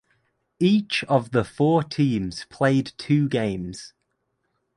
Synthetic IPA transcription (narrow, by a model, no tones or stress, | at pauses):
iˑt͡ʃəvðəfɔːtʰĩːmz̥pʰl̥eɪdtʰʉːɡẽɪ̃mz̥